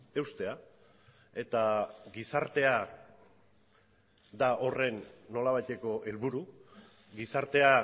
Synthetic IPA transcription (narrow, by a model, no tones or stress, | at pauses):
e̞wst̪e̞a | e̞t̪aɡisaɾt̪e̞a | d̪ao̞re̞nːo̞laβajt̪e̞ko̞ʔe̞lβuɾu | ɡisaɾt̪e̞a